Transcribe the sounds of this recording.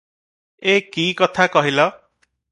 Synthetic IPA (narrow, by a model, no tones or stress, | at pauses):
ekikʌt̪ʰakɔɦilʌ